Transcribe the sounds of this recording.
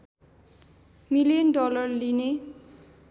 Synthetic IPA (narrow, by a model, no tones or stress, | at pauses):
milijʌnɖɔlʌrline